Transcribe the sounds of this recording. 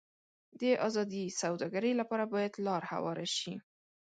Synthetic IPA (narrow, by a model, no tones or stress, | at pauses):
d̪əʔɑzɑd̪isawd̪ɑɡaɾəjlapɑɾabɑjad̪lɑɾha̰wɑɾaʃi